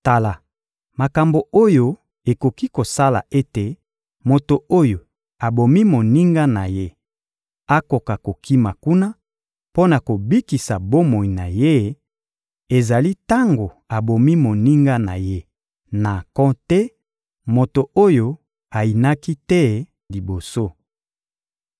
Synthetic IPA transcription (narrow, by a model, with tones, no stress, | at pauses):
ta˨la˨ | ma˨ka˨mbo˨o˦jo˦ | e˨ko˨ki˦ko˨sa˦la̰˨ʔe˦te˨ | mo˨to˨o˦jo˨ | a˨bo˨mi˦mo˨ni˦ŋɡa˦na˨je˦ | a˦ko˨ka˨ko˨ki˦ma˨ku˦na˦ | po˦na˨ko˨bi˦ki˨sa˨bo˦mo˨i˨na˨je˦ | e˨za˨li˦ta˦ŋɡo˨ | a˨bo˨mi˦mo˨ni˦ŋɡa˦na̰˨je˦ | na˨kɔ̃˦tɛ˦ | mo˨to˨o˦jo˦ | a˨i˨na˦ki˦tɛ˦ | li˨bo˨so˦